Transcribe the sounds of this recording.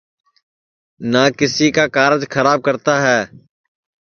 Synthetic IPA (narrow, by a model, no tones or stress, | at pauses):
naːkɪsiːkaːkaːɾd͡ʒxʰəɾaːb̚kəɾt̪aːɦɛː